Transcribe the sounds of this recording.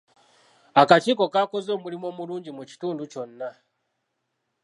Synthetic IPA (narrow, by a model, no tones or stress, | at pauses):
akat͡ʃiːko̞kako̞zo̞ːmulimo̞ːmuluːɲɟimuci̥tuːnduco̞nːa